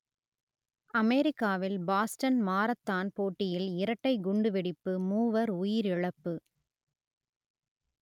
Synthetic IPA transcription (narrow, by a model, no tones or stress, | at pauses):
ɐmeːɾɪkːaːʋɪlbaːsʈɐnmaːɾɐt̪ːaːnpoːʈːɪjɪlɪɾɐʈːɐɪɡʊɳɖɯʋɪɽɪpːɯmuːʋɐɾʊjɪɾɪɭɐpːɯ